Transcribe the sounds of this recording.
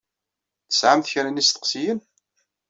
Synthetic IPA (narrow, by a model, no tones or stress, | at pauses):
θəsʕamθçɾənist̪ə̥qsijən